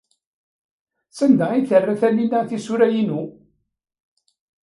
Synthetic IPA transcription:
sænd̪æiθərːæθælːinaθisuɾæjinu

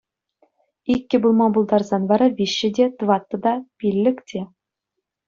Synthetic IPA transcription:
ikʲːɘ̆bulˠmɑbulˠd̪ɑrzɑnʋɑɾɑvʲiɕːɘ̆dʲet̪ʋɑt̪ːɤ̆d̪ɑpʲilʲːɘ̆ktʲe

